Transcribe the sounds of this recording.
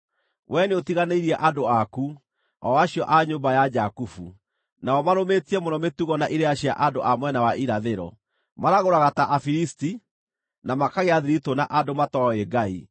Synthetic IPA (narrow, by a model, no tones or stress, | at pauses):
wʔɛneotiɣaneiɾiɛʔadoaku | ɔ̰waɕiɔʔaɲoːmbajad͡ʒakufu | naɔmaɾometiɛmonɔmetuɣɔnaʔiɾeaɕia̰ʔandoʔamwɛnawaʔiɾaðeɾɔ̰ | maɾaɣoɾaɣataʔafiɾisti | namakaɣeaðiɾitonaʔadomatɔeɡai